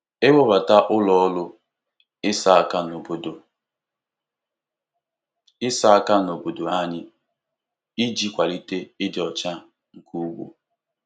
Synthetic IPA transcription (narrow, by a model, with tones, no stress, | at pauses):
e˦wo˦ba˨ta˦ʔʊ˦lɔ˦lʊ˦ | ɪ˦sa˦a˦ka˦no˨bo˨do˨ | ɪ˦sa˦a˦ka˦n˨o˨bo˨do˨a˦ɲɪ˦ | ɪ˦d͡ʒi˦kʷa˨li˦te˦ɪ˦dɪ˨ɔ˨t͡ʃa˦ | ŋ̩˨kʰu˦ɡʷo̰˦